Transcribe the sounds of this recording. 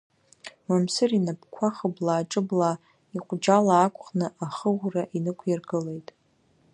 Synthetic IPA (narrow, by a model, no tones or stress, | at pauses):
mamsɨrinapʰʼkʷʰaχəblaːʈ͡ʂʼɨbla | iqʷʼd͡ʒalaːkʷʼχnɨʔaχəʁʷraʔinɨkʷʰjarɡɨle̞jtʼ